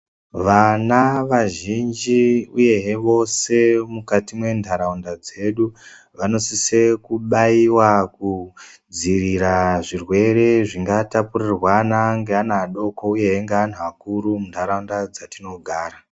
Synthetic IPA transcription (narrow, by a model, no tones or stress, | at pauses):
ʋanaʋaʒind͡ʒiuje̞ɦeʋo̞se̞mukatimwe̞ndʱaɾaundad͡ze̞ɗu | ʋano̞sise̞kuɓaiwakud͡ziriɾaʐirwe̞ɾe̞ʐiŋɡatapurirwanaŋɡeanaːɗo̞ko̞uje̞ɦeŋɡean̤uakuɾumundʱaɾaundad͡zatino̞ɡʱaːra